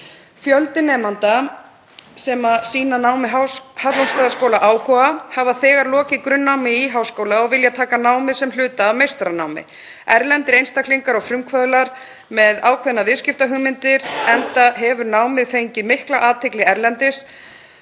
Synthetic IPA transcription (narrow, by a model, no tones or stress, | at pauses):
fjœlt̪ɪnɛːmant̪a | sɛmasiːnanaːwmɪɦawhalɔnst̪aðaskowlaʔaːwhɔahavaθɛːɣaɾlɔːcɪkɾʏnːawmɪiːɦawskowlaɔɣvɪljat̪ʰaːkanaːwmɪðsɛml̥ʏːt̪aːvmejst̪ɾanaːwmɪ̰ | ɛɾlɛnt̪ɪɾejnst̪akʰliŋkaɾɔɣfɾʏmkʰvœðʏlaɾ | mɛðaːwkʰvɛðnavɪðscɪft̪aɦʏɣmɪnt̪ɪɾɛnt̪aɦɛvʏɾnaːwmɪðfejɲcɪmɪhklaʔaːt̪ʰɛklɪɛɾlɛnt̪ɪs